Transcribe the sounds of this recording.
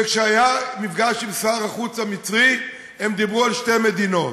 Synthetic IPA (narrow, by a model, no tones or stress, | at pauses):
kʃeajamifɡaʃimsaːʁaχut͡samit͡sʁi | hemd̪ibʁualʃte̞med̪ino̞t